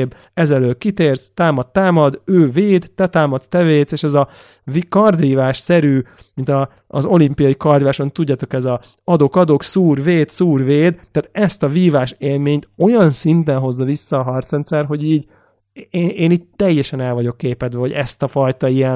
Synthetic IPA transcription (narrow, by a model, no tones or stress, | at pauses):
b | ɛzɛløːkit̪eːrz̥t̪aːmɒt̪ːaːmɒd̪øːveːd̪ːɛt̪aːmɒt̪t̪ɛveːd̪seːʃɛzɒ | vikɒrd̪iːvaːʃsɛɾyː | mint̪ɒ̰ː | zo̞limpijɒjikɒrd̪vaːʃont̪uɟːat̪o̞kɛzɒ | ɒd̪o̞kɒd̪o̞ksuːrveːd̪suːrveːd̪aːt̪ɛst̪ɒviːvaːʃeːlmeːɲt̪o̞jɒnsint̪ɛnɦo̞zːɒvisːɒːɦɒrt̪sɛnt̪sɛrɦo̞ɟiːɟ | eːeːniːɟ̚t̪ɛjːɛʃɛnɛlvɒɟo̞kːeːpɛd̪vɛɦo̞ɟɛst̪ɒfɒjt̪ɒijɛn